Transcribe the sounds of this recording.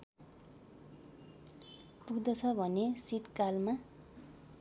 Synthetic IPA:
puɡd̪ʌt͡sʰʌbʱʌnesit̪kalma

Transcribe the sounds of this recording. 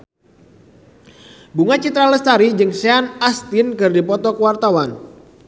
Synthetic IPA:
buŋat͡ʃit̪ɾaləst̪aɾid͡ʒɨŋseanast̪ɪnkɨrdipɔt̪ɔkəwart̪awan

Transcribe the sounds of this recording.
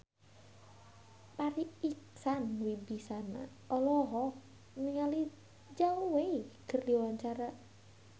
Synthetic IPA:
paɾiiksanwibisana̰ | ɔlɔɦɔ | niŋali | d͡ʒaoweikərdiwaɲt͡ʃaɾa

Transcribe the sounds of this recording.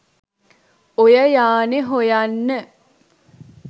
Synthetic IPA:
ojəjaːneɦojanːə

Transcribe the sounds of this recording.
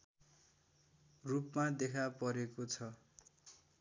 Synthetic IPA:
rupmad̪ekʰapʌɾekot͡sʰʌ

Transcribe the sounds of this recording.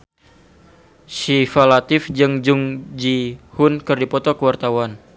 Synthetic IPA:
sifalat̪ɪfd͡ʒɨŋd͡ʒuŋd͡ʒihʊnkɨrdipɔt̪ɔkəwart̪awan

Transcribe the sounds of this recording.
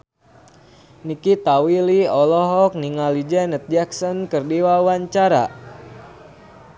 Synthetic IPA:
nikit̪awiliɔlɔɦɔk̚niŋalid͡ʒɛnət̪̚d͡ʒaksɔnkərdiwauwaɲt͡ʃaɾa̰

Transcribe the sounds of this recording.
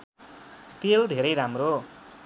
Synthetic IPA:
t̪eld̪ʱeɾʌjɾamro

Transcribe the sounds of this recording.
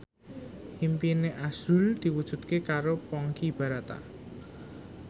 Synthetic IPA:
himpineʔasuld̪̥i̤wud̥ʒ̥ṳd̪̥kekaɾopɔŋkib̥a̤ɾat̪a̰

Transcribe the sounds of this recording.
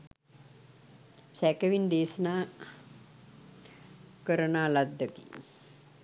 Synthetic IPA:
sækəʋind̪eːsənaː | kəɾənaːlad̪ːəkḭ

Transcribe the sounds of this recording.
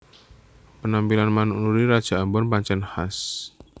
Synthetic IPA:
pənampilanmanuʔnuɾiɾad̥ʒ̥a̤ʔambɔnpaɲt͡ʃɛnhas

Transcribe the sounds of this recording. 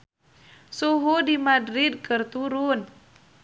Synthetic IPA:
suɦudimadɾid̪̚kɨrt̪uɾun

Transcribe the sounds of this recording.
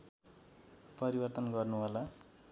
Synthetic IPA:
pʌɾibʌrt̪ʌnɡʌrnuɦola

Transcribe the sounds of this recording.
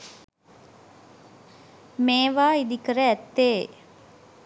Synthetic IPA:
meːʋaːid̪ikəɾəæt̪ːeː

